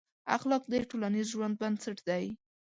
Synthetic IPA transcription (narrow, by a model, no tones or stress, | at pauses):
a̰xlɑk̚d̪aʈolanizʒwand̪̚bansaʈd̪aj